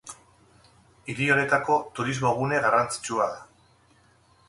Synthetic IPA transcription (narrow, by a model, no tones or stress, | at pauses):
iɾio̞ne̞t̪ako̞t̪uɾizmo̞ɣ̞une̞ɣarant͡si̥t͡ʃuaða